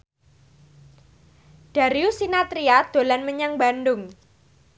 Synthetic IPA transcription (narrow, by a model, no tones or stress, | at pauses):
d̥a̤ɾiusinat̪ɾiad̪̥o̤lanməɲaŋba̤ndʊŋ